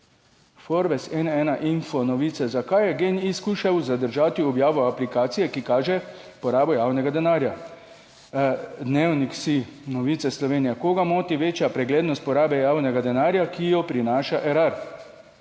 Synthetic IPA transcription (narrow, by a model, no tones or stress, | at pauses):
foɾbɛsɛnɛːnaʔinfɔnɔʋiːt̪sɛzakajɛɡeːniskuːʃawzad̪əɾʒaːt̪iɔbjaːʋɔaplikaːt̪sijɛkikaːʒɛ | pɔɾaːbɔjaːwnɛɡad̪ɛnaːɾja | d̪neːwniksinɔʋiːt̪ɛslɔʋeːnijakoːɡamoːt̪iʋeːt͡ʃjapɾɛɡleːd̪nɔst̪̚pɔɾaːbɛjaːwnɛɡad̪ɛnaːɾjakijɔpɾinaːʃaʔɛɾaɾ